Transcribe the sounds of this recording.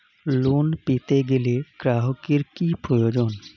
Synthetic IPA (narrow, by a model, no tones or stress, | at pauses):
luːnpiːt̪eɡɪliekɾaːɦokɪɾkipojoːd͡ʒoːn